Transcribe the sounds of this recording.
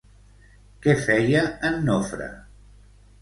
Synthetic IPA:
kɛfɛjəənːofɾə̰

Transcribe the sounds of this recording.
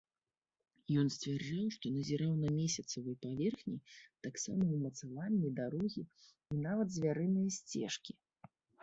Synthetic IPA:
jɔnsʲt͡sʲvʲard͡ʐawʂt̪ɔnɐzʲɪɾawnɐmʲesʲɐt̪sɐvɨjpavʲɛrxnʲit̪aksa̰mɐwmɐt̪savanʲːid̪aɾɔɣʲi | inavɐd̪zʲvʲaɾɨnɨjɐsʲt͡sʲɛ̰ʂkʲi

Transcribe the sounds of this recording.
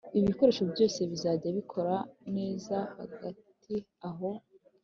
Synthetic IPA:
iβiko̞ɾe̞ːʃo̞bɟo̞ːse̞βizaːɟaβikʰo̞ɾane̞ːzahaɡatʰ | i | aɦo̞

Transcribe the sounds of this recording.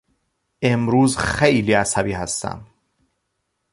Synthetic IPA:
ʔe̞mɾuːzxejliːæsæbiːhæst̪æ̰m

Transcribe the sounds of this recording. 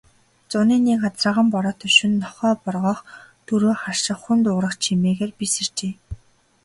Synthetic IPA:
t͡sʊniːniːkɢat͡sraːʁə̆mpɔɾɔːt̪ʰɵʃŭnːɔχœːpɔrʁɔːχt̪ʰuɾoːχarʃɪ̆χxunt̪ʊːɾə̆χt͡ɕʰimeːɣeːrpisĕr̥t͡ɕeː

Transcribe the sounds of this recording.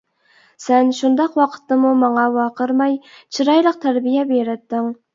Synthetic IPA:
sɛnʃund̪ɑqwɑqʰə̥t̪ːɨmumɑŋɑwɑqʰəɾmɑjt͡ʃʰiɾɑjlˠəq̚t̪ʰæɾbijɛbeɾɪt̪ːɪŋ

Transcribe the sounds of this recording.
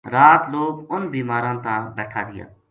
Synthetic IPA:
ɾaːt̪loːkʊnbiːmaːɾãːt̪ãːbɛːʈʰaːɡɪjã̰ː

